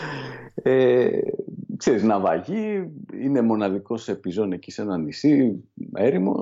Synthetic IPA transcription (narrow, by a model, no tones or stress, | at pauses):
e | kseɾiznɐvɐ̰ʝiine̞mo̞nɐðiko̞sepizo̞ne̞cise̞nɐnisieɾimo̞̰